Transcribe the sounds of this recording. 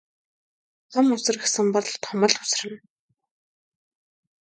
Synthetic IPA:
tʰɔmʊsɘ̆rɡesɘ̆mpɔɮ̆ɮt̪ʰɔmɞ̆ɮʊ̥s̆rɘ̆n

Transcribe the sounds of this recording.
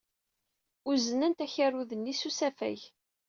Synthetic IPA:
ʊzənənt̪æçarːuðənːisusæfæ̰ʝ

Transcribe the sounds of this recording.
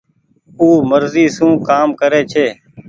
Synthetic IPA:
uːməɾziːsũːkaːmkəɾeːt͡ʃʰeː

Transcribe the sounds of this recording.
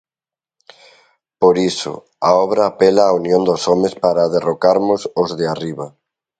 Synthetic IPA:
poɾisʊ̰ | aɔβɾaːpelaːunjõnd̪osɔmespaɾaðerokaɾmʊsozðɪariβa

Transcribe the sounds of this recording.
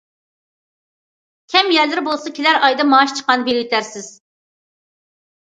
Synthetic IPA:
kʲʰɛmjæɾlɪɾbolˠsɑkʲʰelæɾɑjd̪ɑmɑʃt͡ʃʰə̥qɑnbeljit̪ʰæɾsɪz̥

